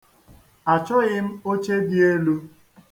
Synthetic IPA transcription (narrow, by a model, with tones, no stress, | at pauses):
a˨t͡ʃɔ˦ɣɪ˦m̩˦o˦t͡ʃe˦bi˦e˦lu˦